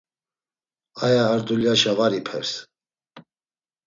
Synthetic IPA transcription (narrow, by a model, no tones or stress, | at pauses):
ajaːɾd̪uljaʃavaɾipʰɛ̰ɾs